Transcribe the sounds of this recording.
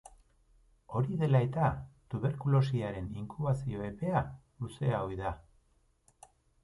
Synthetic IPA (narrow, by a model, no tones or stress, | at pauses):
o̞ɾiðe̞lae̞t̪at̪uβ̞e̞ɾkulo̞s̬iaɾe̞niŋkuβasio̞e̞pe̞a | luse̞aojða